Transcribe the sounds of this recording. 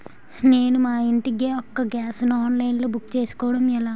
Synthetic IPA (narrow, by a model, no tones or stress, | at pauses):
ne̞ːnumaːiɳʈiɡeːɔkːɐɡaːsnɔːnlɐjnlo̞ːbukːt͡ʃe̞ːsu̥kɔːʋɐɽɐmɛlaː